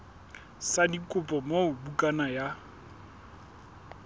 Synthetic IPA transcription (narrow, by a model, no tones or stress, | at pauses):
sadikʼʊpʼɔmoʊbukʼanaja